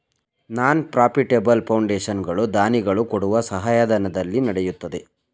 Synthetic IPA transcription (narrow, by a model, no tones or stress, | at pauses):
naːnpɾaːpiʈebɐlpʰɐwɳɖeːʃɐnɡɐɭud̪aːniɡɐɭukoɽuʋɐsɐɦaːjɐd̪ɐnɐd̪ɐlːinɐɽɛjut̪ːɐd̪e